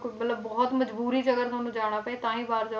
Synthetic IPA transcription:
kmɐt̪ləbːɔːɔt̪mɐd͡ʒbuːɾid͡ʑɐɡəɾt̪ʊaːnũd͡ʒaːɽ̃apɐet̪ãːɦĩbaːɾd͡ʑo

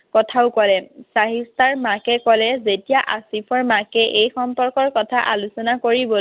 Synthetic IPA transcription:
kɔtʰaʊkɔlɛsaɦistaɹmakɛkɔlɛzetijaʔasipʰɔɹmakɛʔejxɔmpɔɹkɔɹkɔtʰaʔalusɔnakoɹibɔ

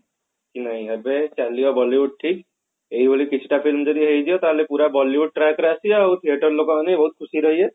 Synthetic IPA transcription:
kinaɦĩəbet͡ʃalijɔbɔliʋuɖ̚ʈʰik | eɦibʱolikit͡ʃʰi̥ʈapʰilmd͡ʒɔd̪iɦejd͡ʒijɔt̪alepuɾabɔliʋuɖ̚ʈɾakɾeasiaut̪ʰieʈɔɾlokɔmanebɔɦut̪̚kʰusiɾɔɦie

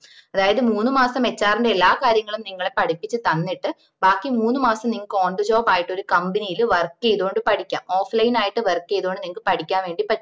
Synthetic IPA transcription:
ɐðaːjɐðɨmuːnːɨmaːsɐme̞t͡ɕːaːriɳdɖeelːaːkaːɾjɐŋːɐɭumniŋːɐɭe̞pɐʈipːit͡ɕːɨt̪ɐnːiʈːɨ | baːkːimuːnːɨmaːsɐmniŋːɐo̞ːɳɖɨt͡ɕo̞ːpaːjiʈːo̞ɾukɐmbinijilʋɐrkːejðuoɳɖɨpɐʈʰikʲːa̰ːmo̞ːflɐjnaːjiʈːɨʋɐrkːejðuoɳɖɨniŋːɐkɨpɐʈʰikʲːaːnʋe̞ːɳɖipɐ

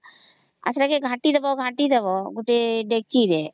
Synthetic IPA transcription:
a̰sɾakeɡʱãːʈid̪ɐbɔɡʱãːʈid̪ɐbɔɡuʈeɖek̚t͡ʃiːɾe

